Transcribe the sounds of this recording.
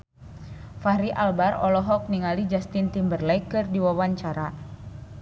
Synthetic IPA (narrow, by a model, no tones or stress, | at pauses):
faɾiʔalbarɔ̰lɔɦɔk̚niŋalid͡ʒast̪int̪imbərlajkɨrdiwawaɲt͡ʃaɾa